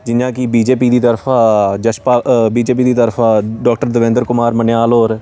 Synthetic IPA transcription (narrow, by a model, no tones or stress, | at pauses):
d͡ʒɪnjãːkibiːd͡ʒeːpiːd̪iːt̪əɾfʰaːd͡ʒəʃpaːbiːd͡ʒeːp̬iːd̪iːt̪əɾfʰaːɖɔːk̚ʈəɾd̪əʋɪ̃nd̪əɾkʊmaːɾmənjaːlɦoːɾ